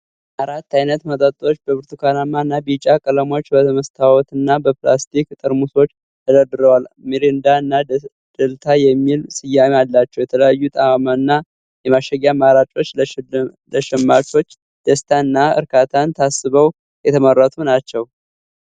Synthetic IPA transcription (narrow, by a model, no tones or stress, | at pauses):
ʔaɾat̪ːajnət̪mət̪ʼət̪ʼːot͡ʃːbəbɨɾt̪ʰukʰanamːaɨnːabit͡ʃʼakʼələmo̞t͡ʃːbət̪ʰəməst̪ʰawɔt̪ɨnːabəplast̪ʰikt̪ʼɨɾmuso̞t͡ʃː | t̪ʰəd̪əd̪ɨɾəwalmiɾind̪aɨnːa | d̪̥əlt̪ʰajɛmːilsɨjamalːat͡ʃːɛwjɛt̪ʰələjajːut̪ʼaamanːa | jɛmaʃəɡamaɾat͡ʃʼo̞t͡ʃː | ləʃɛmːat͡ʃo̞t͡ʃː | d̪̥əst̪ʰaɨnːaɨ̰ɾkʰat̪ʰant̪ʰasːɨβəw | jɛt̪ʰəmərːət̪ʰunat͡ʃːɛw